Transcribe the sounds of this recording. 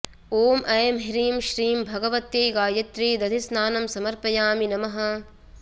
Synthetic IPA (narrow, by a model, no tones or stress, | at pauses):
oːmʔɐjɐmɦiɾiːmʃɾiːmbʱɐɡɐʋɐt̪ːeːɡaːjɐt̪ɾiːd̪ɐd̪ʱisnaːnɐmsɐmɐɾpɐjaːminɐmɐɦɐ̆